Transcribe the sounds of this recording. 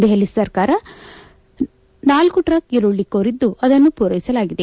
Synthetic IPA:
d̪eɦelisɐɾkaːɾɐ | naːlkuʈɾɐkeluɭːikoːɾid̪ːuɐd̪ɐnːupuːɾɐjisɐlaːɡid̪e

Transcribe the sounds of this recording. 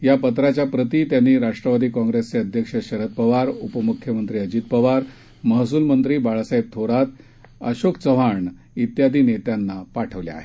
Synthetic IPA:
japət̪̬ɾat͡ɕjapɾət̪iːt̪janːiːɾaʂʈɾəʋad̪iːkɔ̃ŋɡɾest͡seəd̪ʱjəkʂəɕəɾət̪̚pəʋaɾupəmukʰjəmənt̪ɾiːəd͡ʑiːt̪̚pəʋaɾ | məɦsuːlmənt̪ɾiːbaɭsajb̚t̪ʰoɾat̪ | əɕokt͡səʋ̤aɳ | it̪jad̪ʱiːnet̪janːapaʈʰəʋlja̰a̰ːɦe

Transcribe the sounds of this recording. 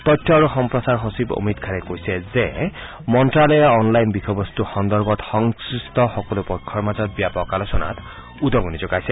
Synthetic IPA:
t̪ɔtʰːɔaɹuxɔmpɹɔsaɹɦosibo̰mitkʰanɛkojsɛzɛ | mɔntɹalɛɔnlajnbixɔbɔstuxɔnd̪ɔɹɡɔtxɔŋsistɔxɔkɔlʊpɔkʰːɔɹmazɔt̚bijapɔwkalosɔna̰t | udɔɡunizɔkajsɛ

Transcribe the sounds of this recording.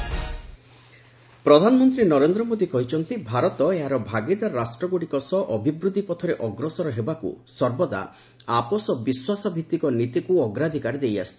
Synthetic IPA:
pɾɔd̪ʱanɔmɔnt̪ɾinɔɾend̪ɾɔmod̪ikɔɦit͡ʃʰɔnt̪ibʱaɾɔt̪ɔeɦaɾɔbʱaɡid̪aɾasʈɾɔɡoɽikɔsɔʔɔbʱibɾud̪ʱipɔt̪ʰɔɾeʔɔɡɾɔsɔɾɔɦebakṵsɔɾbɔd̪a̰ | apɔsɔbiswasɔbʱit̪ːikɔnit̪ikuɔɡɾad̪ʱikaɾid̪eja̰si̥t͡ʃʰ

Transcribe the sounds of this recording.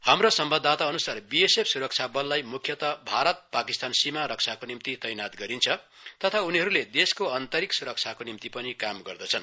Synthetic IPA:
hamrosʌmbʌd̪ʱːat̪aʌnusarbiesepʰsuɾʌk̚t͡sʰabʌlːajmukʰjʌt̪ʌbʱaɾʌt̪̚pakist̪ansimaɾʌk̚t͡sʰakonimt̪it̪ʌjnat̪ɡʌɾint͡sʰʌ | t̪ʌt̪ʰauniɦʌɾuled̪eskoʌnt̪ʌɾiksuɾʌk̚t͡sʰakonimt̪ipʌnikamɡʌrd̪ʌt͡sʰʌn

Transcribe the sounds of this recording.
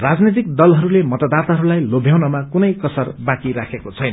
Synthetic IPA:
rad͡znit̪̬ik̚d̪ʌlɦʌɾulemʌt̪ad̪at̪aɦʌɾulajlobʱjawnʌmakunʌjkʌsʌrbãkiɾakʰekot͡sʰʌjnʌ

